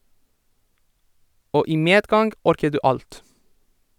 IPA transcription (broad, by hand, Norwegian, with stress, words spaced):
ˈoː ˈiː ˈmeːdˌɡɑŋɡ ˈɔɾkə ˈdʉː ˈɑlt